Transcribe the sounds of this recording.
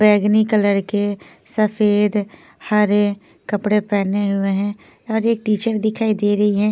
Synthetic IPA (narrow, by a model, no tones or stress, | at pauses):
bɛːɡnikələɾke | səfʰeːd̪ | haɾe | kəpɽepɛːneɦʊeɦɛ̃ː | ɔːɾeːk̚ʈiːt͡ʃəɾd̪ɪkʰaːid̪eːɾɐɦiɦɛ̃ː